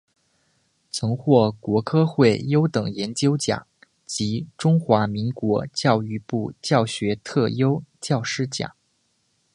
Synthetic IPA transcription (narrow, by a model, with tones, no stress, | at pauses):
t͡sʰɤ˧˥ŋxwɔ˥˩kwɔ˧˥kʰɤ˥xwe˥˩ɪjo˥ʊt̪ɤ˨˩ŋjɛ˧˥nt͡ɕjo˥ʊt͡ɕja̰˨˩˦ŋ | t͡ɕi˧˥ʈ͡ʂʊ˥ŋxwa˧˥mi˧˥ŋkwɔ˧˥t͡ɕjɑ˥˧ʊy˥˧pu˥˩t͡ɕjɑ˥˩ʊɕɥɛ˧˥t̪ʰɤ˥˩jo˥ʊt͡ɕjɑ˥˩ʊʂɻ̩˥t͡ɕjɑ̰˨˩˦ŋ